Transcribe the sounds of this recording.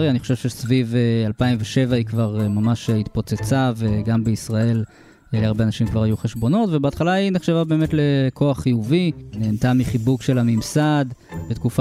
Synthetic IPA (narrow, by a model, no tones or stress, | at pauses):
ʁjaniχo̞ʃe̞vʃesvivealpaimveʃe̞vaikvaʁmamaʃhit̪po̞t͡set͡saveɡambe̞isʁae̞l | leaʁbeanaʃimkvaʁajuχe̞ʃbo̞no̞tve̞beat̪χalaineχʃevabe̞ːme̞t̪le̞kʰo̞aχːijuvineːnt̪amiχibuɡʃe̞lamimsad̪bet̪kufa